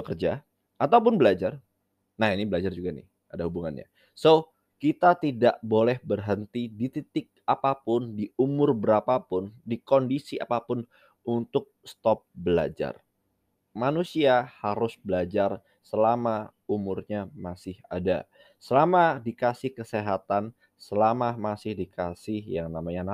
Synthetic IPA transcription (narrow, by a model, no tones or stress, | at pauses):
əkərd͡ʒa | ʔat̪aup̬ʊnbəlad͡ʒar | nahinibəlad͡ʒard͡ʒuɡanɪ̰ | adahubuŋa̰nɲa̰ | so | kit̪at̪idaʔbolɛhbərɦənt̪idit̪it̪ɪk̚apapʊndiʔumʊrbəɾapapʊndikondisia̰papʊn | unt̪ʊk̚st̪ɔp̚bəla̰d͡ʒa̰r | manusiahaɾʊsbəlad͡ʒar | səlama | umʊrɲamasɪha̰da̰ | səlamadikasɪhkəseɦat̪an | səlamamasɪhdikasɪhjaŋnamaɲana